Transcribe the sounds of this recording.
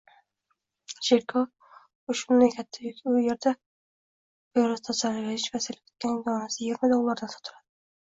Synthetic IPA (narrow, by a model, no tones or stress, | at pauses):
ʃeɾkʰo | ʊʃʊnd̪akʲʰat̪ʰːajʊjeɾd̪a | beɾast̪ʰasaɾɾɪʃvasɪlɪp̚ʲkʰe̥t̪̚ʲkʲʰanjɒnasɪjɪɡʲɪɾmad̪owlˠːaɾd̪ansʰɒ̥t̪ʰʊɾad̪̥ɪ